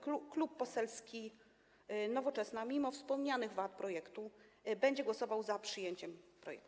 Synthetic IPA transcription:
kuklupːɔsɛlskʲi | nɔvɔt͡ʂɛsnamʲimɔfspɔmɲanɘɣvat̪̚pɾɔjɛkt̪ubɛɲd͡ʑɛɡwɔsɔvawzapʂɘjeɲt͡ɕɛmpɾɔ̰jɛ̰k̪̚

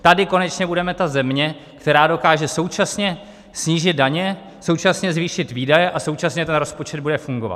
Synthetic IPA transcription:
t̪adɪko̞nɛt͡ʃɲɛbudɛmɛt̪azɛmɲɛ | kt̪ɛɾaːdo̞kaːʒɛso̞wt͡ʃasɲɛ | sɲiːʒɪt̪̚daɲɛ | so̞wt͡ʃasɲɛzviːʃɪt̪viːdajɛʔaso̞wt͡ʃasɲɛt̪ɛnɾo̞spo̞t͡ʃɛd̪̚budɛfuŋɡo̞va̰t̪

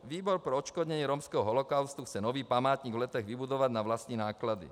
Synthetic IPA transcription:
ʋiːbɔɾpɾɛɔt͡ʃkɔd̪ɲɛɲɪɛɾɔmskɛɦɔɦɔlɔkaʊst̪uxt͡sɛnɔʋiːpamaːt̪ɲiːɡʋlɛt̪ɛɣʋibud̪ɔʋaɟnaʋlast̪ɲinaːklad̪ḭ

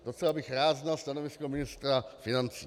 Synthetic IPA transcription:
d̥ot͡sɛvabɪxɾaːd̪znalst̪anovɪskomɪnɪst̪ɾafɪnant͡siː

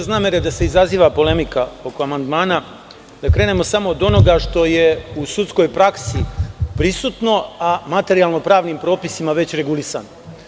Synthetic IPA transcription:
znaːmeɾed̪ase̞izaziːʋapo̞le̞mikao̞ko̞amand̪maːna | d̪akɾe̞ːne̞mo̞samo̞ːd̪o̞no̞ɡaʂt̪o̞jeusut̪sko̞jpɾaksipɾisut̪no̞amat̪e̞ɾialˠno̞pɾaːʋnimpɾo̞ːpisimaʋe̞t͡ɕɾe̞ɡulisa̰no

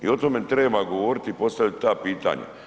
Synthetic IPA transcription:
ḭo̞t̪omet̪ɾeːbaɡoʋoɾit̪iipo̞st̪aʋit̪t̪aːpiːt̪a̰ːɲa̰

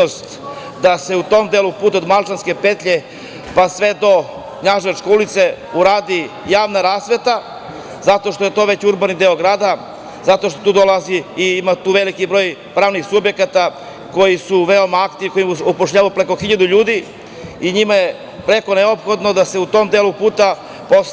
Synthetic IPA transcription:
ost̪ | d̪ase̞ut̪o̞md̪eːlupuːt̪od̪malˠt͡ʃanske̞pet̪ʎe | pasʋe̞d̪o̞ | kɲaʒat͡ʃkeulit̪se̞ | uɾaːd̪ijaːʋnaɾaːsʋe̞t̪a | zat̪o̞ʃt̪ojet̪o̞ːʋe̞t͡ɕuɾbanid̪e̞oɡɾaːd̪a | zat̪o̞ʃt̪ot̪uːd̪olˠaziːimat̪uːʋe̞likibɾo̞ːjpɾaːʋnixsubje̞kat̪a | ko̞jisuʋeomaakt̪iiko̞jimupoʂʎaːʋaopɾeko̞xiʎad̪uʎuːd̪i | iɲimaje | pɾeko̞neopxo̞d̪nod̪ase̞ut̪o̞md̪elupuːt̪a | po

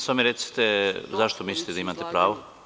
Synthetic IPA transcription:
samiɾet̪si̥t̪ezaʃt̪omislʲit̪ed̪aimaːt̪epɾaːʋo

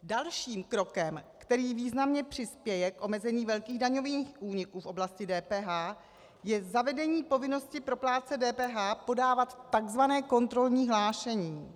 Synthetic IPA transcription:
dalʃiːmkɾo̞kɛmkt̪ɛɾiːviːznamɲɛpr̝̥ɪspjɛjɛkʔo̞mɛzɛɲiːvɛlkiːɣdaɲo̞viːxʔuːɲɪkuːfʔo̞blascɪdɛːpɛːɦaː | jɛzavɛdɛɲiːpo̞vɪno̞scɪpɾo̞plaːt͡sɛdɛːpɛːɦaːpo̞daːvat̪ːaɡzvanɛːko̞nt̪ɾo̞lɲiːɦlaːʃɛɲiː

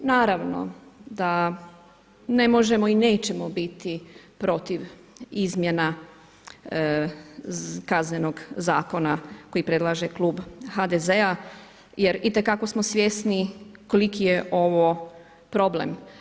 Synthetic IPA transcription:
naːɾaʋno̰d̪a | ne̞mo̞ʒe̞moineːt͡ʃe̞mobit̪ipɾo̞t̪iʋ | izmjena | kazɲeno̞ɡzaːko̞nako̞jipɾe̞d̪lˠaːʒekluːbhad̪ezea | jeɾit̪e̞kako̞smosʋjesnikolikijeʔo̞ʋo | pɾo̞blḛm

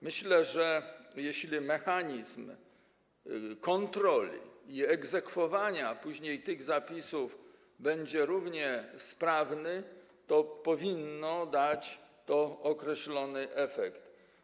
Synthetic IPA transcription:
mɘɕlɛʐɛjɛɕlʲimɛxaɲizm | kɔnt̪ɾɔlʲḭiɛɡzɛkfɔvaɲapuʑɲejt̪ɘɣzapʲisuv | bɛɲd͡ʑɛɾuvɲɛspɾavnɘ | t̪ɔpɔvʲinːɔd̪at͡ɕt̪ɔɔkɾɛɕlɔnɘʔɛfɛkt̪

